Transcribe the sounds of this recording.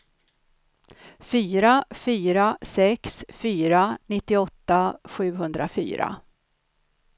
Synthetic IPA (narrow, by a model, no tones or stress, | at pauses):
fyːɾafyːɾasɛksfyːɾanɪt̪ːɪɔt̪ːaɧʉ̟ːɦɵnd̪ɾafy̰ːɾa̰